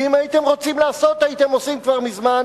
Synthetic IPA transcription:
imajit̪emʁo̞t͡simlaːso̞t̪ajit̪emosimkvaʁmizman

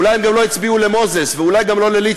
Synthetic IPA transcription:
lajhemɡamlo̞jit͡sbiulemo̞zesveulajɡamlo̞leli

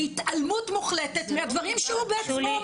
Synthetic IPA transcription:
hit̪almutmuχlet̪et̪mehad̪vaʁimʃehubeet͡smo

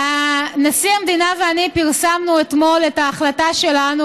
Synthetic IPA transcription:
anasiamed̪inaveanipiʁsamnuet̪mo̞letaːχlataʃe̞lanu

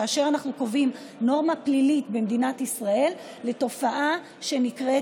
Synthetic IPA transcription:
aːʃe̞ʁanaχnuko̞vim | no̞ʁmaplilitbemd̪inatisʁae̞lː | e̞to̞faʔa | ʃe̞nikʁe

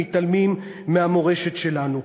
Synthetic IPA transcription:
it̪almimː | eamo̞ʁe̞ʃe̞tʃe̞lanu

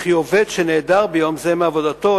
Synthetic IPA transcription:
χioved̪ʃene̞ːd̪aʁbejo̞mzemeavo̞dat̪o̞

